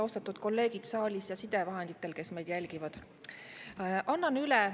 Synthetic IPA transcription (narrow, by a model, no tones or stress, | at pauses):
o̞st̪ɑt̪ːˑud̪̥ko̞lːe̞ːɡ̥id̪̥sɑːlʲisjɑsid̪̥e̞vɑɦe̞nd̪̥it̪ːˑe̞lke̞sme̞jd̪̥jælʲɡ̥ivɑd̪̥ | ʔɑnːɑnylɛ